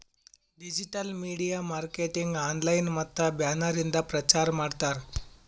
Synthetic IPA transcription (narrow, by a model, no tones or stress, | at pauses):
ɖid͡ʒiʈɐlmiːɽijamaːɾkeʈiŋɡaːnlajnmɐt̪ːɐbjaːnaɾind̪apɾɐt͡ʃaɾmaːɽt̪aɾ